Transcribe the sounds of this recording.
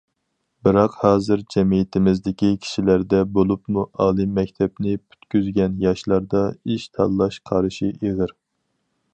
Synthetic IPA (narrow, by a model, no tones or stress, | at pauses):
bɨɾɑqhɑːzɨɾd͡ʒɛmijit̪ʰɪmɪzd̪ɪkʲikʲʰi̥ʃilæɾd̪ɛbolˠupmuʔɑːlˠɨmːɛkʲt̪ʰɛpnɪpʰy̥t̪kʲyzɡʲɛnjɑʃlˠɑɾd̪ɑiʃt̪ʰɑ̰lˠːɑʃqʰɑɾɨʃiʔeʁɨɾ